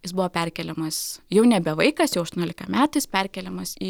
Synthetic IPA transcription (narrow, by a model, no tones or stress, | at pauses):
jɪsbʊʋoːpʲɛrʲkʲɛlʲɛmɐsjɛʊnʲɛbʲɛʋɐɪkɐsjɛʊɐʃt̪onʲoːlʲɪkɐmʲæːt̪ɐɪspʲɛrʲkʲɛlʲɛmɐsiː